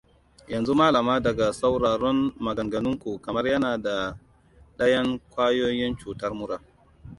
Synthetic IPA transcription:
jɐ˨nzu˦maː˦lɐ˨maː˦dɐ˨ɡa˨sa˦wɽaː˨ɽɔ˦nmɐ˨ɡɐ˨ŋɡɐ˨nʊ˦ŋkʷu˨kɐ˨mɐ˦rjɐ˦naː˨da˨ | ɗɐ˦jɐ˦ŋkʷaː˦joː˦jɪ˦nt͡ʃuː˨tɐ˦rmʊ˦ɽaː˨

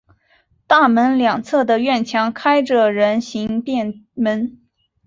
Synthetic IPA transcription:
t̪a˥˩mə˧˥nljɑ˨˩ŋt͡sʰɤ˥˩d̪ə˩ɥɛ˥˩nt͡ɕʰjɑ˧˥ŋkʰa˥ɪʈ͡ʂə˨ɻə˧˥nɕi˧˥ŋpjɛ˥˩nmə˧˥n

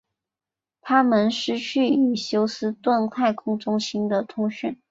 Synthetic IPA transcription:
t̪ʰa˥mə˧˥nʂɻ̩˧˥t͡ɕʰy˥˩i˨˩ɕjo˥ʊsɹ̩˥t̪wa˥˧nt̪ʰa˥˩ɪkʰʊ˥ŋʈ͡ʂʊ˥ŋɕi˥nd̪ə˨t̪ʰʊ˥ŋɕy˥˩n

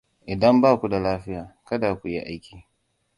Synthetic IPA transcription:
ʔɪ˨dɐ˦mbaː˦˨kʷu˦da˨laː˦ɸɪ˦jaː˨kɐ˦da˨kʷu˨ji˦ʔa˦jkʲiː˨

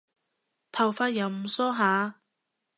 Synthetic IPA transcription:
t̪ʰɐ˨˩wfaː˧t̚jɐ˨˧wm̩˨˩sɔː˥ɦaː˨˧

